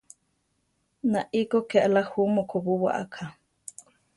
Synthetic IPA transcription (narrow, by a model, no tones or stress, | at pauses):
naʔikokeʔalahumokʰoβuwa̰ʔa̰kʰa